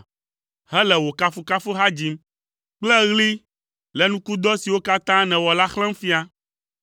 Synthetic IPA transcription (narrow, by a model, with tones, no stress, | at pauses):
hɛ˦lɛ˨wo˨ka˦fu˦ka˦fo˦ɦa˦d͡ʑi˦m | k͡plɛ˦ɣli˦ | lɛ˨nũ˦ku˦d̪ɔ˦si˨wo˦ka˦t̪ã˦nɛ̃˨wɔ˨la˦xlɛ̃˦m˦fi˦a˦